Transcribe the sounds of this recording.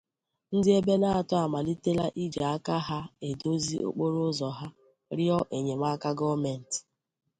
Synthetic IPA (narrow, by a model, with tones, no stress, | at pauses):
n̩˦dɪ˦e˦be˦na˦a˨tʊ˦a˨ma˨li˦te˦la˦ʔi˦d͡ʒa˨a˦ka˦ɦa˦e˨do˦zi˦ʔo̰˦k͡po˦ɾo˦zɔ˨ɦa˦ | ɾɪ˦ɔ˦ʔe˨ɲe˨ma˦ka˦ɡɔ˦me˨n̩˨t